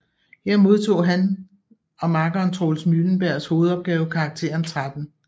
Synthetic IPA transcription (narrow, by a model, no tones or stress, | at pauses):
heɐ̰mo̝ð̞ˠt͡sʰo̝̰ːɦæn | ɒ̽mɑ̈ɡ̥ɒnt͡sʰʁo̝lsmyln̩b̥æɐ̰sho̝ːð̞̩ˠɒ̽b̥̚ɡ̥ɛːʊkʰɑ̈ɡ̥̚t͡sʰe̝̰ːɐnt͡sʰʁad̥n̩